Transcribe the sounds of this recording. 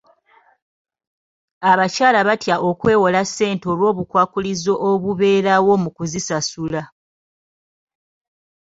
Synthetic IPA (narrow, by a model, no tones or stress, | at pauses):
aβacaːlaβatjaʔo̞kwe̞ːwolasːe̞ːnto̞ːlwo̞ːβukwaːkulizo̞ʔoβuβe̞ːɾawo̞mukuzisasula